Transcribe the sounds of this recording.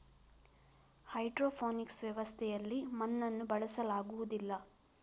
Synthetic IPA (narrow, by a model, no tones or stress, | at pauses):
hɐjɖɾoːpʰoːniksʋjɐʋɐst̪ʰɛjɐlːimɐnːɐnːubɐɭɐsɐlaːɡuʋud̪ilːɐ